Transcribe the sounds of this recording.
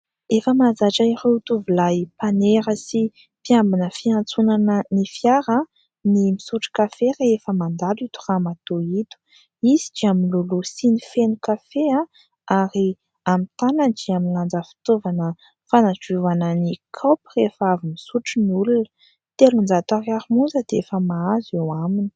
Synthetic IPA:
efəmazaʈ͡ʂaireut̪uvilajpaneɾəsi | pjambunəfiant͡sunanənifjaɾə | nimisuʈ͡ʂi̥kafereefəmand̪alit̪u̥ramat̪oit̪u̥ | izid͡ʒiamilulusinifenukafeã | aɾi | amit̪anand͡ʒiaminland͡zəfi̥t̪ovanə | fanad͡ʒuvanənikʰapirefavimisuʈ͡ʂiniulunə̥ | t̪elund͡zat̪aɾjaɾimund͡zəd̪̥eefəmaazewamini̥

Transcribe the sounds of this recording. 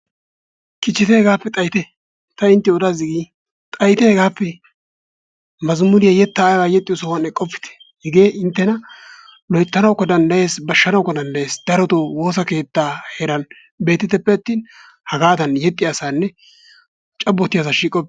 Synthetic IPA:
kɪt͡ʃːɪt̪ɛhɛɡaːpːɛt̪ʼɐjɪt̪ɛ | t̪ɐɪnt̪ːɪɔd̪azɪɡi | t̪ʼɐjɪt̪ɛhɛɡaːpːɛ | mɐzmʊdɪjɐjɛt̪ːaːjwajɛt̪ʼːɪjɔsɐwɐnɛkʼːɔpːɪ̥t̪ɛ̥ | hɛɡeːʔɪnt̪ːɛnɐ | lɔjt̪ːɐnɐwkːɔd̪ɐnd̪ɐje̞ːsbɐʃːɐnɐwkːɔd̪ɐnd̪ɐje̞ːsd̪̥ɐɾɔt̪owo̞ːsɐke̞ːt̪ːaːheːɾɐn | be̞ːt̪ːɪt̪ːɛpːɛɐt̪ːiːn | hɐɡaːd̪ɐnjɛt̪ʼːɪjasaːnːɛ | t͡ʃʼɐbːɔt̪ːɪjasaʃiːkʼːɔb̚

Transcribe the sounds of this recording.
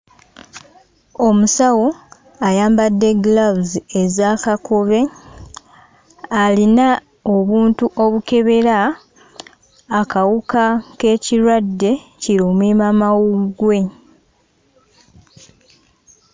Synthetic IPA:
o̞musawo | ajaːmbadːe̞ɡlavuziezaːkakʰoβe̞ | alina | o̞βuːntuʔo̞βuke̞βe̞ɾa | kawukake̞ːciɾwadːe̞ciɾoːmwiːmamawuɡwe̞

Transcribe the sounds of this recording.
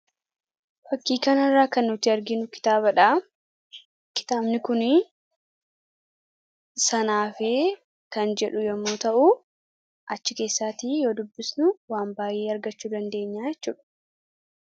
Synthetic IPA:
fɐkːiːkɐnɐrːaːkɐnːʊt̪ɪɐɾɡɪnʊkɪ̥t̪aːbɐᶑaː | kɪ̥t̪aːbnɪkʊnɪ | sɐnaːfeː | kɐnd͡ʒɛᶑʊjɛmːo̞ːt̪ɐʔʊ | ʔɐt͡ʃːɪke̞ːsːaːt̪iːjo̞ːd̪ʊbːɪsnʊwaːmbaːje̞ːɐɾɡɐt͡ʃːuːd̪ɐnd̪e̞ːɲːaːjɛt͡ʃːuːᶑɐ̥

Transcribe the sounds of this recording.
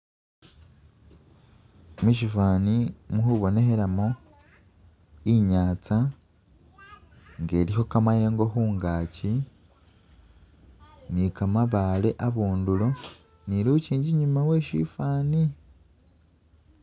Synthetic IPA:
miʃifaːnimuɦuβo̞ne̞heɾamo | iɲaːt͡sa | ŋɡe̞ːɾiho̞kamaje̞ːŋɡo̞ɦuːŋɡaːci | nikamaβaːle̞ʔaβuːndulo | niɾuuciːɲɟiɲumawe̞ːʃḭfaːni

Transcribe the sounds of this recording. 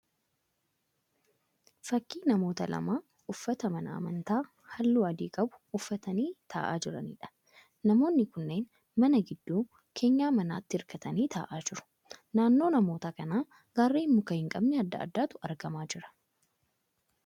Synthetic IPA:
fɐkːiːnɐmo̞ːt̪ɐlɐ̰maː | ʊfːɐt̪ɐmɐnɐ̰ɐ̰mɐnt̪aː | hɐlːuːɐd̪iːkʼɐbʊ̥ʊfːɐt̪ɐniːt̪ʰa̰ːʔa̰ːd͡ʒɪɾɐ̰nḭːᶑɐ̥ | nɐmo̞ːnːɪkʊnːe̞ːn | mɐnɐɡɪd̪ːuː | kʰe̞ːɲːaːmɐna̰ːt̪ːɪɪɾkɐt̪ɐniːt̪ʰa̰ːʔaːd͡ʒɪɾʊ̥ | naːnːo̞ːnɐmo̞ːt̪ɐkɐnaː | ɡaːrːeːmːʊkɐhɪŋkʼɐbnɛɐd̪ːɐ̰ːd̪ːaːt̪ʊɐɾɡɐmaːd͡ʒɪɾɐ̥

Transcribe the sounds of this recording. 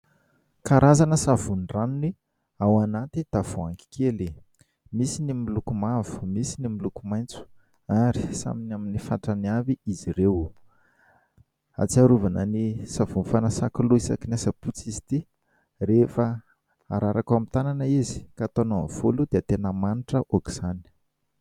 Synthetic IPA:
kaɾʔazanəsavunranuni | awanat̪id̪̥av̥oaŋki̥keli | misinimilukumavu̥misinimilukumajnt͡su̥ | aɾi̥sa̰minaminifa̰ʈ͡ʂaniaviizirew | a̰t͡siaɾuvanənisavunfanasakuluisakinasəput͡sizi̥t̪i | refə | a̰ɾʔaɾakamit̪ananəizi̥kat̪onov̥ulud̪eat̪enəmaniʈ͡ʂəʔokiz̥ani̥

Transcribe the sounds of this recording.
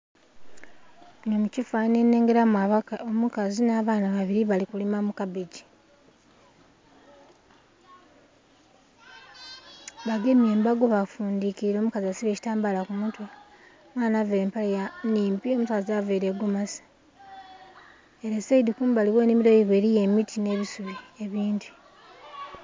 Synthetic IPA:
nomucifane̞ne̞ːŋɡe̞ɾamaomukazinaːβaːnaβaβiɾiβalikulimamukaβeɟi̥ | βaɡeme̞ːmbaɡoβafuːndikiɾiɾo̞ːmukaziasiβeːci̥taːmbalakumutwa | mwaːnaːveːɾeːmpalejaniːmpio̞mutaːzaveːɾeɡomasḁ | eɾeseidikuːmbaliweːnemiɾo̞jiβwe̞ːɾije̞mitʰine̞ːβisuβie̞βiːnti̥

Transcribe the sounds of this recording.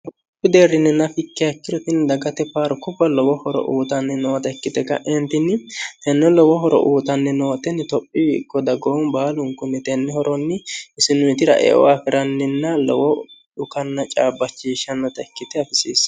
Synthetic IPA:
tʊ | pːɪd̪eːɾːɪnːɛnɐfɪkːɛɐkːɪd̪ɔt̪ɪnd̪ɐɡɐt̪ɛpaːɾkʊbɐlɔwɔhɔɾɔ̰ʔuːt̪ɐnːɛnɔːt̪ɐɛkːɪt̪ɛkɐ̰ʔɛnt̪ɪnːɪt̪ɛnːɛlɔwɔɦɔɾɔ̰ʔuːt̪ɐnːɛnoːt̪ɛnɪt̪ɔpʼːɪkːɔd̪ɐɡonbaːlʊŋkʊnːɛt̪ɛnːɛhɔɾʔɔnːɪɪsɪnʊt̪ɪɾɐ̰ʔɛ̰ʔɔ̰wafɪɾɐnːɪnːɐlɔwɔɗʊkɐnːɐt͡ʃʼaːbːɐt͡ʃːiːʃɐnːɐt̪ɐɛkːɪt̪ɛɐfɪsiːs

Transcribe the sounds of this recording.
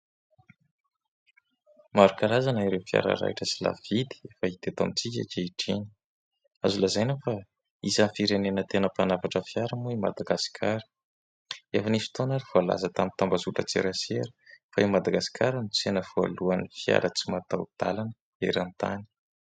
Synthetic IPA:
maɾukaɾazanaiɾewfia̰ɾa̰ɾa̰iʈ͡ʂəsila̰vid̪i̥efait̪et̪amit͡sik̬ʲa̰keiʈ͡ʂini̥ | azulazajnəfa | izanfiɾenenət̪enəpanavaʈ͡ʂəfjaɾəmuima̰d̪aɡaskʰaɾə̥ | efanisu̥t̪onaɾiv̥oala̰zət̪amint̪ambazuʈ͡ʂət͡sḛɾaseɾə̥faimad̪aɡasi̥kʰaɾənut͡senəv̥oa̰luanifia̰ɾət͡simat̪awd̪̥a̰lanə | ḛɾant̪a̰ni̥

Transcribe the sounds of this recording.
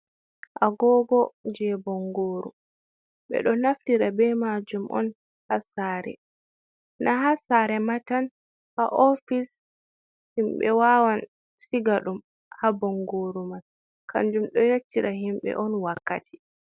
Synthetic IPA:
ʔaɡɔːɡɔd͡ʒɛbɔŋɡoːɾṵ | ɓɛ̰ɗɔnaftiɾabɛmad͡ʒumʔɔ̰n | hasaɾɛ̰ | nʔaɦasaːɾɛmatan | haʔɔfis | himɓɛ̰wawan | siɡaɗum | habɔŋɡoːɾuman | kʰa̰nd͡ʒumɗɔjetːiɾaɦimɓɛ̰ʔɔnwakːatʰi̥

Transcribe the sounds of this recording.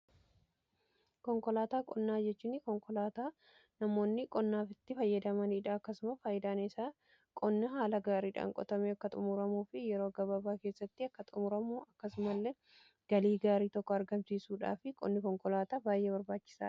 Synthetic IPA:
kɔŋkɔlaːt̪aːkʼɔnːaːd͡ʒɛt͡ʃːuːnːɪkɔŋkɔlaːt̪aː | nɐmo̞ːnːɪkʼɔnːaːfɪt̪ːɪfɐjːɐd̪ɐmɐnːᶑaːɐkːɐsʊmɐfaːjɪd̪aːnɪsaː | kʼɔnːɐɦaːlɐɡaːɾiːᶑa̰ːŋkʼɔ̰t̪ɐmeɐkːɐt̪ʼʊmʊɾɐmuːfɪjɛɾo̞ːɡɐbɐbaːkeːsːɐt̪ːɪɐkːɐt̪ʼʊmʊɾɐmuːʔɐkːɐsʊmɐlːɛ | ɡ̥ɐliːɡaːɾiːt̪ɔkːɔɐɾɡɐmsiːsuːᶑa̰ːfɪkʼɔ̰nːɪkɔŋkɔlaːt̪aːbaːjːeːbɐɾbaːt͡ʃːɪ̥sa̰ː

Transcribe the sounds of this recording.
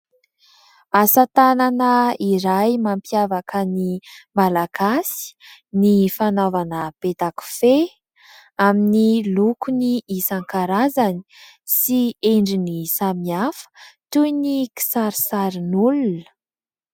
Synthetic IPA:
asat̪ananəiɾajmampiavakənimalaɡasi̥nifanovanəb̥et̪aku̥fe | aminilukuniisaŋkaɾazani̥ | sieɳɖ͡ʐinisamiafə̥t̪ujniki̥saɾisaɾinulunə̥

